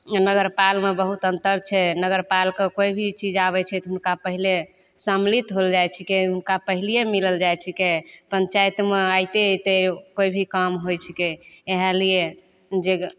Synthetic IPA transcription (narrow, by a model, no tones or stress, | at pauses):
nəɡəɾpalmebəɦut̪ənt̪əɾt͡ʃʰɛnəɡəɾpalkekoibʱit͡ʃid͡ʒaβɛt͡ʃʰɛt̪ɔɦunkapəɦile | səmlit̪ɦold͡ʒajt͡ʃʰikeɦunkapəɦilijemiləld͡ʒajt͡ʃʰikepəɲt͡ʃajt̪meajt̪et̪ekoibʱikamɦojt͡ʃʰikeeɦalije | d͡ʒe